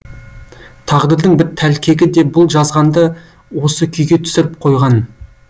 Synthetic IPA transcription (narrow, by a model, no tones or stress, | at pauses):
t̪ʰɑʁd̪əɾd̪əɴbɪɾt̪ʰːælkʲʰe̞ɡʲɪd̪e̞bʊlˠʒɑzʁɑnd̪ə | wo̞səkʲʰʏjɡʲe̞t̪ʰʏ̥sɪɾɪp̚qʰo̞jʁɑn